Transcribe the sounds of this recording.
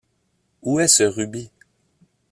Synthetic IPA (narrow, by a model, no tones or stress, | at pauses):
uɛsəʁybi